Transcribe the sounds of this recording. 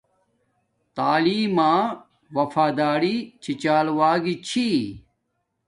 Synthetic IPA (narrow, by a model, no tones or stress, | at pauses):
t̪aːliːmãː | wɐfaːd̪aːɽit͡ɕʰit͡ɕaːlwaːɡit͡ɕʰi